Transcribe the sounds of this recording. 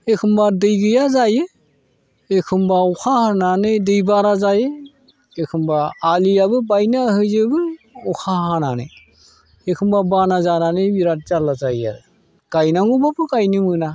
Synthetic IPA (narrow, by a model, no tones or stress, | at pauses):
ekʰɯmbadɯjɡɯjazajɯ | ekʰɯmbaɔkʰahananɯjdɯjbaɾazajɯ | ekʰɯmbaːlijabɯbajnaɦɯzɯbɯɔkʰaɦanana̰j | ekʰɯmbabanazananɯjbiɾat̚d͡ʒalazajja̰ | kajnaŋubapɯkajnimɯna